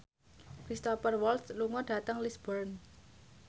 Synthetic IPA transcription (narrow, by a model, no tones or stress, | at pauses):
kɾist̪ɔpərwɔlsluŋɔɖ̥a̤t̪əŋlisb̥ɔrn